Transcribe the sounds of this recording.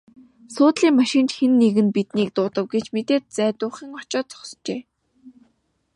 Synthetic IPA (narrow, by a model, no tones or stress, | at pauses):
sʊːt̪ɮiːŋmaʃɪ̆nt͡ɕxenːeɣɘ̆npit̪niːk̚t̪ʊːt̪ə̆wɡet͡ɕmet̪eːt̪̚t͡sæːt̪ʊːχiːŋɔt͡ɕɔːt̪t͡sɔ̥st͡ɕeː